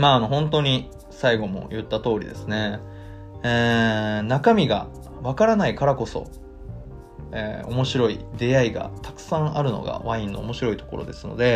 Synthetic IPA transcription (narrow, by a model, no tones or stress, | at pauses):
maːno̞ɦõ̞nt̪̬o̞ɲ̟i | saiɡo̞mo̞̰jɯ̟t̪ːat̪o̞ːɾʲḭd̪e̞sɨne̞ | eːnakamʲiɡa̰ | βakaɾanaikaɾako̞so̞̰ | ḛːo̞mo̞ɕiɾo̞ḭd̪e̞aiɡa̰t̪ḁkɯ̟̥sãɰ̃ʔaɾɯ̟no̞̰ɡa̰βãĩnːo̞ːmo̞ɕiɾo̞it̪o̞̥ko̞ɾo̞̰d̪e̞sɨno̞̰d̪e̞